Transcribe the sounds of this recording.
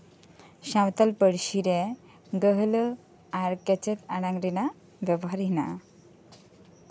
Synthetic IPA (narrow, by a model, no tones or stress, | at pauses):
ɕãwt̪əlpəɽɕiɾe | ɡəɦlə | aɾkɛt͡ɕet̪aɽaŋɡɖina | ʋjɛbɔɦaɾɦinaʔ